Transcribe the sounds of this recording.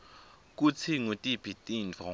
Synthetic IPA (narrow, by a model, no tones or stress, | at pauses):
k̬ut͡sʰiŋutʼib̥ʱitʼind͡ɮʱɔ